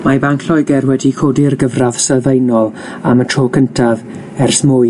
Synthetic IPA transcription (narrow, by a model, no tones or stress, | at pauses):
mabaŋkʰl̥ɔjɡɛrwɛdikʰoːdɪrɡəvrav̥sɛlˠvejnɔlˠ | amətʰroːkʰəntʰav | ɛrsmʊj